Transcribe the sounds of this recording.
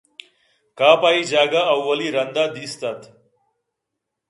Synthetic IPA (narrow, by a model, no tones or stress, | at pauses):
kapaid͡ʒaːɡaːwːəliɾɐnd̪ad̪ist̪at̪